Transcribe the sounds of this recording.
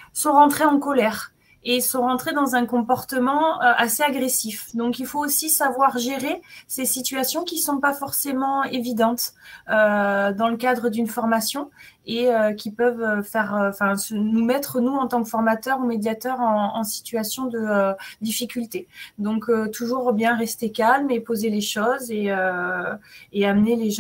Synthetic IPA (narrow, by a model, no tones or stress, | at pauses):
sɔ̃ʁɑ̃t̪χeɑ̃kɔlɛʁ | esɔ̃ʁɑ̃t̪χed̪ɑ̃zɛ̃kɔ̃pɔʁt̪əmɑ̃øʔaseaɡʁesifd̪ɔ̃kilfoːsisavwaʁʒeʁesesit̪ɥasjɔ̃kʲisɔ̃pafɔʁsemɑ̃evid̪ɑ̃t̪ød̪ɑ̃ləkad̪ʁəd̪ynfɔʁmasjɔ̃eøkʲipœvøfɛʁøɑ̃fɛ̃sənumɛt̪χənuɑ̃t̪ɑ̃kəfɔʁmat̪œʁumed̪jat̪œʁɑ̃ːsi̥t̪ɥasjɔ̃d̪əød̪ifikʲylt̪ed̪ɔ̃køt̪uʒuʁbjɛ̃ʁɛst̪ekalmepozeleʃɔzeø | eaməneleʒ̃